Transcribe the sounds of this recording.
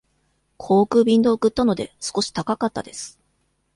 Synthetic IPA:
kʰo̞ːkɯ̟ːbʲĩnd̪o̞ːkɯ̟t̪ːano̞d̪e̞sɨ̥ko̞ɕi̥t̪akakat̪ːa̰d̪e̞sɨ̥

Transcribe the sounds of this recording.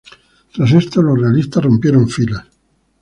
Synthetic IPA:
t̪ɾasest̪olorealist̪arompjeɾoɱfila

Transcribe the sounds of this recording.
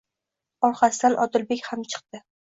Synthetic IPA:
ɒɾqasɪd̪anʔɒd̪ɪlbe̞kʲhamt͡ʃʰɨ̥qt̪ɪ

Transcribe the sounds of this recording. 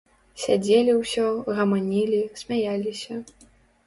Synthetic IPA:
sʲad͡zʲelʲiwsʲɔɣɐmanʲilʲisʲmʲajalʲisʲɐ

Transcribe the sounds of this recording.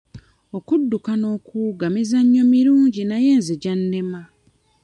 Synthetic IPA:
o̞kudːukano̞ːkuːɡamizaɲːo̞miɾuːɲɟinaje̞ːnzeɟanːema

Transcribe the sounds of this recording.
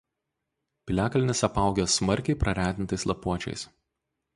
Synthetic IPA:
pʲɪlʲæːkɐlʲnʲɪsɐpɑˑʊɡʲosmɐɾʲkʲɛɪpɾɐɾʲæːd̪ʲɪnt̪ɐɪslˠɐpuɔt͡ʃʲɛ̰ɪs

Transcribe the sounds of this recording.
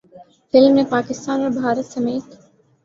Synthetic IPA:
fɪlmepaːkɪst̪aːnəɾbʱaːɾət̪səmeːt̪

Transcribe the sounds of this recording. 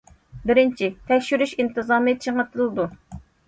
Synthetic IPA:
bɪɾɪnt͡ʃʰit̪ʰɛkʲʃyɾyʃint̪ɨzɑːmɨt͡ʃʰəŋət̪ʰɨlˠɨd̪u

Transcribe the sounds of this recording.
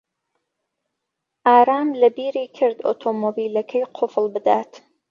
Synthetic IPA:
ʔaːɾaːmlɐbiːɾiːkʰɪɾd̪o̰t̪ʰomobiːlɐkʰɐjqʰʊflbɨd̪at̪

